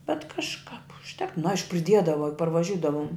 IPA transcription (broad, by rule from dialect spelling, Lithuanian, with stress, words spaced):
bʲɛt kɐʃˈkɐp ʊʃʲˈtʲɛk nʊ ˈɐɪʃkʊ pʲrʲɪˈdʲiɛdɐʋɐ jʊk pɐrʋɐˈʒʲʊdɐʋʊm